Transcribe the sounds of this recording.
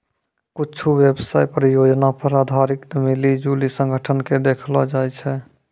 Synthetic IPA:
kuːt͡ʃʰuʋebsajpəɾjod͡ʒnapəɾad̪ʱaɾikt̪əmilid͡ʒulisə̃ŋɡʱəʈʰənked̪ekʰlɔd͡ʒajt͡ʃʰɛ

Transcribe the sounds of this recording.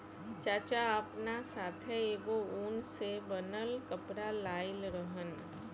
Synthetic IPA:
t͡ʃaːt͡ʃaəpnasaːt̪ʰeeːɡouːnsebənəlkəpɾalaːɪlɾəɦən

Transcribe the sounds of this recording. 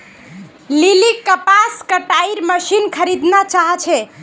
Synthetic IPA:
lilikːəpaskəʈaiɾməʃinkʰəɾid̪nat͡ʃaɦət͡ʃʰɛ

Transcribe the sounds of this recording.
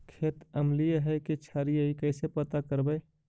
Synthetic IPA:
kʰeːt̪əmlijəɦɛket͡ʃʰaːɾijəikəːsepət̪akəɾbəe

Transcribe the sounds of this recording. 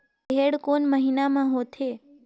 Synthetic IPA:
ɦeɽkonməɦinamãɦot̪ʰe

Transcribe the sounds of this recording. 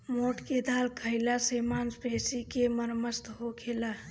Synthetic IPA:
moʈked̪ʱalkʰəɪlasemanspesikeməɾməst̪ɦokʰela

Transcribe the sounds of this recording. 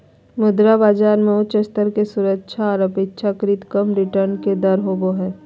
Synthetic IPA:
mʊd̪ɾabaːd͡ʒaːɾmẽʊt͡ʃəst̪əɾkesʊɾəkːʃʰaɔːɾɐpeːtːʃʰakɾiːt̪kəmɾɪʈəɾnked̪ɐɾɦoboɦɛː

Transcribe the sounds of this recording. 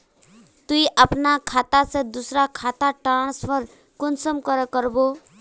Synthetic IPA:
t̪uiʔapnakʰat̪ased̪usɾakʰat̪aʈaɽ̃spʰʌɾ | kʊnsʌmkʌɾʌkʌɾbo

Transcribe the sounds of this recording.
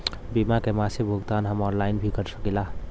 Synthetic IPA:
bimakemasebʱuɡt̪anɦəmɔnlajnbʱikəɾsəkilaɦ

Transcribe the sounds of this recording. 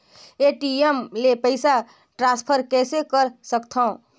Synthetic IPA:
eʈiemlepəɪsa | ʈɾãspʰəɾkɛsekəɾsəkt̪ʰə̃

